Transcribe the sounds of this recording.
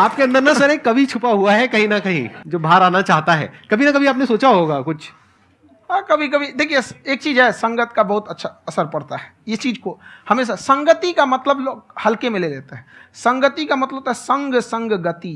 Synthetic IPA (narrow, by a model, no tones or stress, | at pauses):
aːp̚keɐ̃nd̪əɾnasɐɾekɐbʱit͡ʃʰʊpaɦuaɦɛkɐɦĩnɐkɐɦḭ̃d͡ʒoːbʱaːɾaːnat͡ʃaːɦt̪aɦɛ̰ːkɐbʱinɐkɐbʱiaːpnesoːt͡ʃaɦoːɡaːkʊt͡ʃʰ | ɦãkɐbʱik̬ɐbʱid̪eːkʰieseːk̚t͡ʃiːd͡ʒɦɛsɐ̃ŋɡət̪kabɐɦʊt̪ɐtːʃʰaɐsəɾpɐɽt̪aɦɛjet͡ʃiːd͡ʒkohɐmeːs̬asɐ̃ŋɡət̪ikamɐt̪ləbloːɡhɐlkemɪ̃leleːt̪aɦɛ̃sɐ̃ŋɡət̪ikamɐt̪ləot̪aɦɛsə̃ŋɡsə̃ŋɡɡət̪i